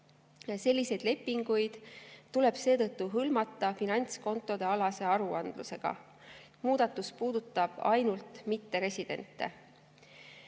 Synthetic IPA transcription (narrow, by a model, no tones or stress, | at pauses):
se̞lʲːise̞jd̪̥le̞pːiŋɡ̥ujd̪̥t̪ule̞b̥se̞ːt̪ɤt̪ːuɦɯlmɑt̪ˑːɑfinɑnʲt̪sko̞nt̪ːˑo̞d̪e̞ɑlɑse̞ɑɾuɑnd̪̥luse̞ɡ̥ɑ̰ | muːd̪̥ɑt̪ːˑuspuːd̪̥ut̪ːˑɑb̥ɑ̰jnult̪mit̪ːe̞ɾe̞sʲid̪̥e̞̰nt̪ːˑe̞̰